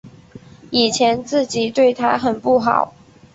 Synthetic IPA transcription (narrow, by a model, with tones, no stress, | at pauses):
i˨˩t͡ɕʰjɛ˧˦˥nt͡sɹ̩˥˩t͡ɕi˨˩t̪we˥˩ɪt̪ʰa˧˥ɪxə˨˩npu˥˩xɑ̰˨˩˦ʊ